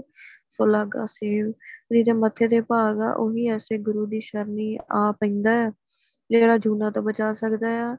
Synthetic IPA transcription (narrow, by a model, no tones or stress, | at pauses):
soːlaːɡa̰ːseːwd͡ʒiːd͡ʒaːmət̪ʰːeːd̪eːpaːɡa̰ːʔoːɦiːɛːseːɡʊɾuːd̪iːʃəɾniːaːpəĩːnd̪aːaː | d͡ʒeːɽaːd͡ʒʱuːnãːt̪õːbət͡ʃaːsəkd̪aːjaː